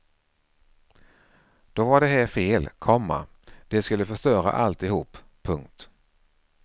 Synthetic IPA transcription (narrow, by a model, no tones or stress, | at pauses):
d̪̥ɔvaɖɛɦæːɾfeːlkʰɔmːa̰ | d̪̥ɛskɵlːəfœʂt̪œːɾa̰ʔa̰lt̪ɪhuːpʰː | ɵŋk̚t̪